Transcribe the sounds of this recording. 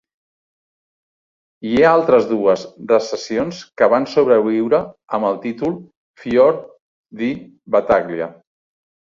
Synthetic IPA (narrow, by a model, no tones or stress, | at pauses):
iealˠt̪ɾəzðuəzrəsəsionskəβansoβɾəβiwɾəəməlˠt̪it̪ulˠ | fjɔɾ | d̪i | βət̪aɣliə̰